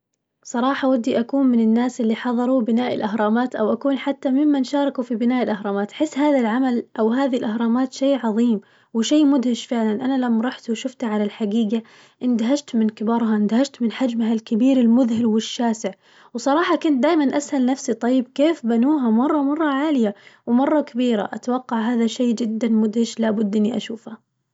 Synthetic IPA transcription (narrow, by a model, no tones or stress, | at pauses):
sˤɑɾˤɑːħɑwad̪ːiʔakuːnmɪnɪnːaːsʔɪlːiħɑðˤɑɾˤubɪnaːʔɪlʔaɦɾˤɑːmaːt̪ʔawʔakuːnħat̪ːamɪmːanʃɑːɾˤɪkufibɪnaːʔɪlʔahɾˤɑːmaːt̪ʔħɪsːɦaːðalʕamalʔawɦaːðilʔahɾˤɑːmaːt̪ʃeːʕɑðˤiːm | wɪʃaːmʊd̪hɪʃfɪʕlanʔanalamːɑɾˤɑħt̪wʃʊft̪ʕalalħaɡiːɡa | ʔɪnd̪aɦad͡ʒt̪mɪnkɪbɑːɾˤɦaɪnd̪ahad͡ʒt̪mɪnħad͡ʒmɦalkɪbiːɾɪlmʊðhɪlwɪʃːaːsɪʕ | wsˤɑɾˤɑːħɑkʊnt̪̚d̪aːjmanʔashalnafsit̪ˤɑjːɪb̚keːfbanuːɦamɑrˤːɑmɑrˤːɑʕaːlɪjawɪmɑrˤːɑkabiːɾa̰ʔa̰t̪wɑqːɑʕɦaːðaʃeːd͡ʒɪd̪ːanmʊd̪hɪʃlaːbʊd̪ːʔɪnːiʔa̰ʃuːfha